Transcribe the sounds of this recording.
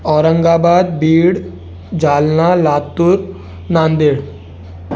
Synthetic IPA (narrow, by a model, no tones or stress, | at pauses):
ɔːɾəŋɡabad̪̚biːɽ | d͡ʒaːlnalaːt̪ːuɾ | nãːnd̪iɽ